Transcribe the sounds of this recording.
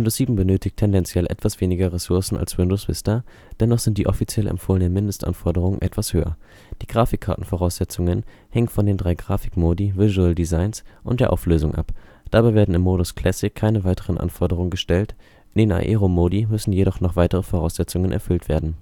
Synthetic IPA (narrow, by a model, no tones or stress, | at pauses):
ɪndoːsz̥iːbm̩bənøːtʰɪçtʰːɛndɛnt͡sjɛlʔɛ̰tv̥asv̥eːnɪɡɐʁesʊɐsn̩a̰lswɪndoːsv̥ɪ̰stɐ | d̥ɛnɔχz̥ɪnt̚d̥iːʔɔfit͡sjɛlɛ̰mfoːləndəmɪndəstʔa̰nfɔɐdəʁ̞ʊŋənʔɛtv̥ashøːɐ̰ | d̥iːɡ̥ʁaːfɪkʰːaɐtn̩fɔʁaʊsz̥ɛt͡sʊŋən | hɛŋənfɔndeːndʁaɪɡʁaːfɪ̥kmoːdivɪzuɛldizaɪnsʔʊ̰nt̚d̥eːɐʔa̰ʊfløːzʊŋʔa̰p | d̥abaɪveːɐdn̩ɪmːoːɾʊskʰl̥ɛsɪkʰːaɪnəvaɪtʰəʁənʔa̰nfɔɐdəʁ̞ʊŋənɡəʃtɛlt | ndeːna̰ʔeːʁomoːdimʏsn̩jeɾɔχnɔχv̥aɪtəʁəfoʁaʊsz̥ɛt͡sʊŋənʔɛ̰ɐfʏltv̥eːɐdn̩